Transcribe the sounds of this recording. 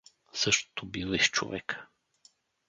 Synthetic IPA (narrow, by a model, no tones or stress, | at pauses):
sɤʃt̪o̥t̪obilˠiʃt͡ʃo̰vɛkə̥